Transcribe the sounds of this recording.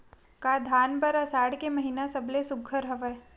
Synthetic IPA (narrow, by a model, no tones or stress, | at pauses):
kaːd̪ʱaːnpəɾasaːɽkeməɦinasɐblesʊɡʰʱəɾɦɐʋə